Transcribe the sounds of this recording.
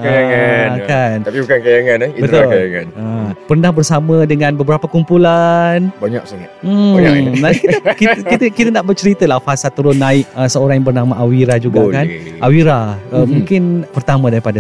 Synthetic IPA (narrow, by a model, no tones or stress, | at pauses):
kajaŋakanapibukankajaŋãnibət̪ʊlkajaŋãnəpərnãhbərsamə̃dəŋãnbəbəɾapakumpulanbaɲaksaŋam̩nãniikikit̪əkit̪ənaʔbərt͡ʃəɾit̪əlahfasat̪uɾʊnːaɪʔ̚əsəoɾaŋjabərnamaʔawiɾad͡ʒuɡakanʔawiɾaəmũŋkɪnpərt̪amãdaɾipada